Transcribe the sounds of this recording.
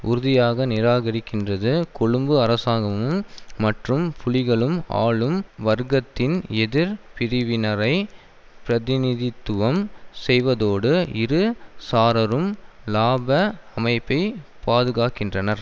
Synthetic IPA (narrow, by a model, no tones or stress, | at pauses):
ʔʊɾʊðɪjaːɣɐnɪɾaːɣɐɾɪkːɪndrɐðɯkʊɻʊmbɯɐɾɐsaːɣɐmɯmːɐʈrɯmpʊlɪɣɐɭɯma̰ːɭɯmʋɐɾɣɐt̪ːɪnɛðɪɾpɪɾɪʋɪnɐɾɐɪ | pɪɾɐðɪnɪðɪt̪ːɯʋɐmsɛjʋɐðoːɽɯɪɾɯsaːɾɐɾɯmlaːbɐɐmɐɪpːɐɪpaːðɯɣaːkɪndrɐnɐɾ